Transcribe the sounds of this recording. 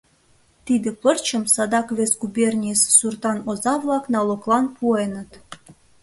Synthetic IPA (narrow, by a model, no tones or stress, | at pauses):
t̪id̪ĕpərt͡ɕəmsɑd̪ɑkβesɡubʲernʲissurt̪ɑnozɑβlˠɑknɑloklˠɑnpʰuenə̆t̪